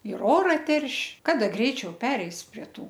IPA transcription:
ɪr ˈoːrɐ ˈtʲɛrʲʃʲ ˈkɑːdɐ ˈɡrʲɛɪt͡ʃʲɛʊ ˈpʲæːrʲɛɪs pʲrʲiɛ ˈtuː

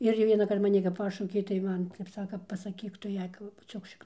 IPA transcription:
ˈɪr jɛʊ ʋʲiɛnɐˈkɐrt mɐˈnʲɪ kɐp ˈpɑːʃɐʊkʲeː tɐɪ ˈmɐn ˈtʲɛp ˈsɑːkɐ pɐˈsɑːkʲiːk ˈtʊ ˈjɛɪ ˈkʊ pɐbʊˈt͡ʃʲuɔk ʃʲɪkˈnoːn

